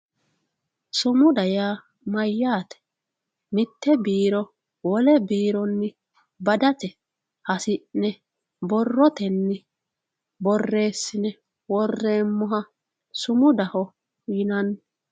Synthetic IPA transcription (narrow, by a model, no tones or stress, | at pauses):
sʊmʊd̪ɐjaː | mɐjːaːt̪ɛ̥ | mɪt̪ːɛbiːɾɔ | wɔlɛbiːɾɔnːɪ | bɐd̪ɐt̪ɛ | hɐsɪʔnɛ | bɔrːɔt̪ɛnːɪ | bɔrːe̞ːsːɪnɛ | wɔrːeːmːʊɦɐ | sʊmʊd̪ɐhɔ | jɪnɐnː